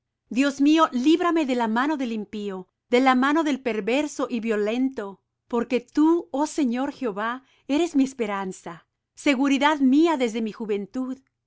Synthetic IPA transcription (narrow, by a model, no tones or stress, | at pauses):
d̪jo̞zmio̞liβɾame̞ðe̞lamano̞ðe̞limpio̞ | ðe̞lamano̞ðe̞lpe̞ɾβe̞ɾso̞ʔiβjo̞le̞nt̪o̞ | po̞ɾke̞t̪uose̞ɲo̞ɾxeoβa | e̞ɾe̞zmiespe̞ɾansa | se̞ɣuɾiðaðmiaðe̞zðe̞mixuβe̞nt̪uð